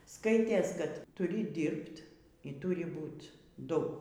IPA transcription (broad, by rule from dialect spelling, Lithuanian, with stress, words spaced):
ˈskɐɪtʲeːs kɐt tʊˈrʲɪ ˈdʲɪrpt iː ˈtʊrʲɪ ˈbuːt ˈdʊ